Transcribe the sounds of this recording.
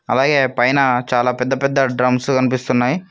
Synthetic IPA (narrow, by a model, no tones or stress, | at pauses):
ɐ̰laːɡe̞ːpɐjnɐt͡ʃaːlaːpɛd̪ːɐpɛd̪ːɐɖɾɐmskɐnipist̪unːaːji